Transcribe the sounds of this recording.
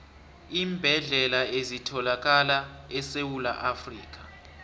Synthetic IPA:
iːmbʱɛɮɛlaezitʰɔlak̬alaɛsewula̰ʔafriːk̬ḁ

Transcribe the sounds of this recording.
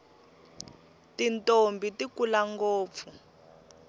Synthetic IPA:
tintombitikulaŋɡoːp̪fu

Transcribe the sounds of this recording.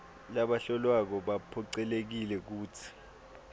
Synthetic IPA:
laɓaɬɔlwak̬ɔɓapʰɔǀɛlek̬ilɛk̬uːtʰi̥

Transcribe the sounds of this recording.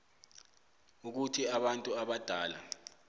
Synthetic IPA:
uk̬utʰiaɓantʼuaɓad̥ʱaːla̰

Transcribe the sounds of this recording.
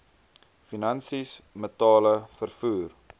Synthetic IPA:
finɐnsismətɑːləfərfuːr

